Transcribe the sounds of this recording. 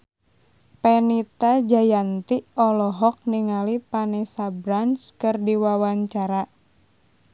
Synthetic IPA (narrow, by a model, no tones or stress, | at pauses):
pɛnit̪ad͡ʒajant̪iɔlɔɦɔk̚niŋalipanesabɾanskɨrdiwawaɲt͡ʃaɾa